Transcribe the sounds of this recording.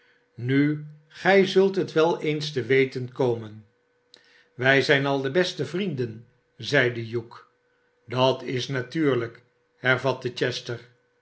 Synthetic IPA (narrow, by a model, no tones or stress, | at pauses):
ny | χɛjzɵlˠtɦətʋɛlˠejnstəʋejtənkowmən | ʋɛjzɛjnɑlˠdəbɛstəvrindən | zɛjdəjuk | dɑtɪsnatyːɹlək | hɛɹvɑtət͡ʃɛstəɹ